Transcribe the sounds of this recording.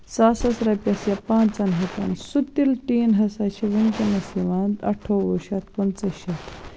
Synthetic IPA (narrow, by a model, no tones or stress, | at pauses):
saːsɐsɾɐpʲɐsjɐpãːnt͡sɐnɦɐt̪ɐ̰nsut̪ːilʈ̪iːnɦɐsɐt͡ʃʰiʋɨnkʲinɐsiʋand̪ɐ̰ʈʰːoːʋuʃɐt̪kɐnt͡sɐʃɐt̪ʰ